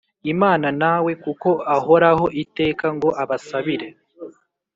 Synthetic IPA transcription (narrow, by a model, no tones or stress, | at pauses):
imaːnanawe̞kuko̞aho̞ɾaho̞ʔite̞ːkaŋɡo̞ʔaβasaβiɾe̞